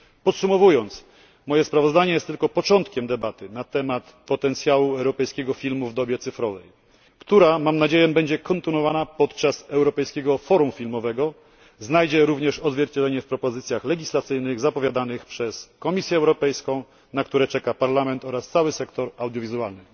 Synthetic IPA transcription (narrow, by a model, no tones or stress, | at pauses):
pɔt̪sumɔvujɔnt̪s | mɔjɛspɾavɔzd̪aɲɛjɛst̪ːɘlkɔpɔt͡ʂɔnt̪kʲɛmd̪ɛbat̪ɘnat̪ɛmat̪ | pɔt̪ɛnt̪sʲjawuɛwɾɔpɛjskʲɛɡɔfʲilmuvd̪ɔbʲjɛt̪sɘfɾɔvɛ̰j | kt̪uɾamamnad͡ʑejɛbɛɲd͡ʑɛkɔnt̪ɨnwɔvanapɔt̪t͡ʂasɛwɾɔpɛjskʲɛɡɔfɔɾumfʲilmɔvɛɡɔ | znajd͡ʑɛɾuvɲɛʂɔzvʲjɛɾt͡ɕɛd̪lɛɲɛfpɾɔpɔzɘt̪sʲjaxlɛɡʲislat̪sɘjnɘɣzapɔvʲjad̪anɘxpʂɛskɔmʲisʲjɛɛwɾɔpɛjskɔ̃w̃ | nakt̪uɾɛt͡ʂɛkapaɾlamɛnt̪ɔɾast̪sawɘsɛkt̪ɔɾawd̪ʲjɔvʲizualnɘ